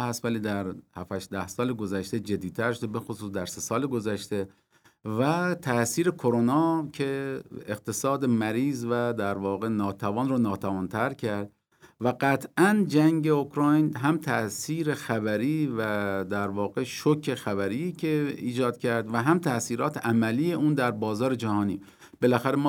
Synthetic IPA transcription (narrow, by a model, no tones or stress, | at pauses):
hæst̪væliːd̪æɾhæfæʃd̪æhsɒːleɡo̞zæʃt̪ed͡ʒed̪ːiːt̪ʰæɾʃod̪ebe̞xosuːsd̪æɾse̞sɒːleɡo̞zæʃt̪e̞ | væt̪ʰæsiːɾe̞kʰoɾonɒːcʰe̞eqt̪ʰe̞sɒːd̪emæɾiːzvæd̪æɾvɒːɣe̞nɒːt̪ʰævɒːnroːnɒːt̪ʰævɒːnt̪ʰæɾcʰæɾd̪ | væɡæt̪ʰʔænd͡ʒæŋɟe̞okɾɑːjnɦæmt̪ʰæʔsiːɾe̞xæbæɾiːvæd̪æɾvɒːɣeʃokʰe̞xæbæɾiːkʰeiːd͡ʒɒːd̪̚cʰæɾd̪væɦæmt̪ʰæsiːɾɒːt̪ʰeʔæmæliːje̞uːnd̪æɾbɒːzɒːɾe̞d͡ʒæhɒːnḭː | b̥e̞læxæɾemː